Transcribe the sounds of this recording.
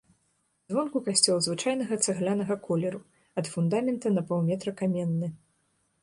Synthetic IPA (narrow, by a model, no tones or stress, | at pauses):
zvɔnkukasʲt͡sʲɔlˠzvɨt͡ʂajnɐɣɐt̪saɣlʲanɐɣɐkɔlʲɛɾu | ɐt̪fund̪amʲɛnt̪ɐnɐpɐw̪ˠmʲɛt̪ɾɐkamʲɛnːɨ